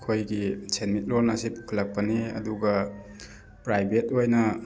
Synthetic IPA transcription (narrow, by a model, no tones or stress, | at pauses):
kʰojɡisʰenmit̚lonasipu̥kʰalak̚paniɐ̰duɡɐ | pɾajbʱetojnɐ